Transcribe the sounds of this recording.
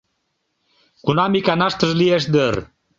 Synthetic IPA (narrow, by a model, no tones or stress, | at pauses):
kunamikanaʃt̪əʒlieʃ̬d̪əɾ